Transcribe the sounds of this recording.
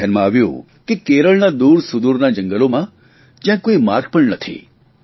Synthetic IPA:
anmãaʋjṵ̃ | kekeɾəɭnad̪uɾsʊd̪uɾnad͡ʒə̃ŋɡəlomã | d͡ʒjãkoimaɾk̚pəɳnət̪ʰḭ

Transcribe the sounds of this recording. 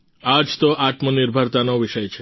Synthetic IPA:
ad͡ʒt̪oʔat̪mənɪɾbʱəɾt̪anoʋɪʃəjt͡ʃʰe

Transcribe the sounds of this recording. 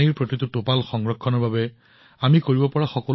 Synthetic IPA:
iɹpɹotitutopalxɔŋɡɹɔkʰːɔnɔɹbabɛ | amikoɹibɔpɔɹaxɔkɔl

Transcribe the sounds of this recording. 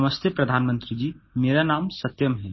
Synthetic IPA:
məst̪ʰjepɾɐd̪ʱaːnmə̃nt̪ɾid͡ʒiːmeːɾanaːmsɐt̪jəmɦɛː

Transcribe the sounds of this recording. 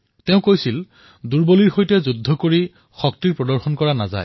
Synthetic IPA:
teʊ̃kojsil | duɹboliɹxojtɛzudʱːɔkoɹi | xɔk̚tiɹpɹɔdɔɹxɔnkɔɹanaza̰j

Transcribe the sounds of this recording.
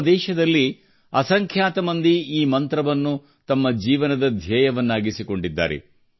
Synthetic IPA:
d̪ɛːʃɐd̪ɐlːi | ɐsɐŋkʰjaːt̪ɐmɐnd̪iiːmɐnt̪ɾɐʋɐnːu | t̪ɐmːɐd͡ʒiːʋɐnɐd̪ɐd̪ʱjɛːjɐʋɐnːaːɡisiko̞ɳɖid̪ːa̰ːɾḛ

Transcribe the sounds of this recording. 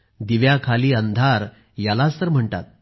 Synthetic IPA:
d̪iʋjakʰaliːənd̪ʱaɾ | jalat͡st̪əɾm̤əɳʈa̰t̪̚

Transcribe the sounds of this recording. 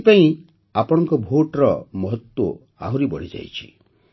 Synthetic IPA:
paĩ | apɔɽ̃ɔŋkɔbʱoʈɾɔmɔɦɔt̪wo | a̰ɦuɾibɔɽ̤id͡ʒa̰jt͡ʃʰi̥

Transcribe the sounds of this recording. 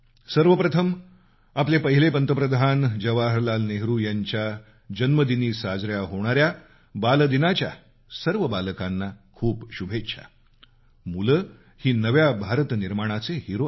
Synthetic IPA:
səɾʋəpɾət̪ʰəm | aplepəɦilepənt̪əpɾəd̪ʱand͡ʑəʋaɦəɾlalneɦɾuːjaɲt͡ɕja | d͡ʑənməd̪iniːsad͡zɾjaɦoɽ̃aɾja | bald̪inat͡ɕja̰ | səɾʋəbaləkanːakʰuːpɕubʱetːɕʰa̰ | mulə | hiːnəʋjabʱaɾət̪niɾmaɽ̃at͡seɦiɾo

